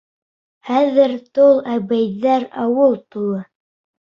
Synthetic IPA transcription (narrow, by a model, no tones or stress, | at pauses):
χæðɘɾt̪olˠæbæjðæɾɑwɤlˠt̪ulˠɤ